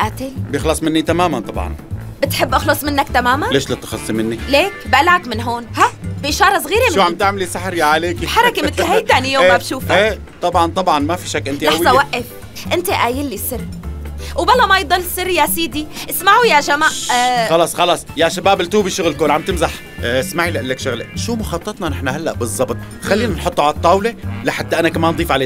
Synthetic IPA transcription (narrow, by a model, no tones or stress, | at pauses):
ʔaːt̪ebjɪxlɑsˤmɪnːit̪amaːmant̪ˤɑbʕɑ̰nbɪt̪ħɪbːʔɑxlɑsˤmɪnːakt̪amaːmanleːʃlɪt̪ːxɑssˤimɪnːileːkbʔalaʕakmɪnɦoːnhabʔɪʃɑːɾˤɑsˤɣiːɾimuʕamt̪ɪʕmɪlisaħɾjaʕaleːkibħɑɾˤɑkemɪt̪lhajt̪aːnijoːeːmabʃuːfaeː | t̪ˤɑbʕɑnt̪ˤɑbʕɑnmafiʃakːʔɪnt̪iʔlɑaħwzˤɑwaʔːɪf | ʔɪnt̪eʔaːjɪlːisɪrːwbalːamajd̪ˤɑlːsɪrːjasiːd̪iʔɪsmaʕujaʃamaʔxɑlɑːsˤxɑlɑːsˤjaʃabaːbɪlt̪uːbiʃʊɣlkoːlʕambt̪ɪmzaħ | ʔɪsmaʕilɪʔalːakʃʊɣlḛʃuːmʊxɑt̪ˤːɑt̪ˤnɑnɪħnaɦalːaʔbɨzˤːɑbt̪ˤ | xalːiːnanħot̪ˤːʕalt̪ˤːɑːwlelɪħad̪ːaʔanakamaːnd̪ˤiːfʕaleː